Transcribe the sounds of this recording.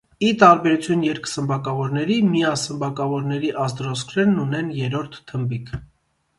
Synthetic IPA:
it̪ɑɾbɛɾut͡sʰjunjɛɾksəmbɑkɑvɔɾnɛɾimijɑsəmbɑkɑvɔɾnɛɾiʔɑzd̪ɾɔskʰɾɛɾnunɛnjɛɾɔɾt̪ʰːəmbikʰ

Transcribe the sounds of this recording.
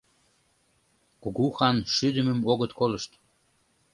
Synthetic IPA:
kuɣuxɑnʃyd̪əməmoɣət̪koləʃt̪

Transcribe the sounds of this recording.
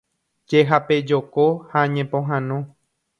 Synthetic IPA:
d͡ʒeɦaped͡ʒokohaɲẽpõɦãnõ

